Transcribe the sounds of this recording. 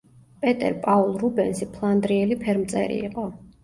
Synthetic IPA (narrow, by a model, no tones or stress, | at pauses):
pʼɛt̪ʼɛ̰ɾpʼaulˠɾubɛnsipʰlˠand̪ɾiɛlipʰɛɾmt̪sʼɛ̰ɾḭiqʼɔ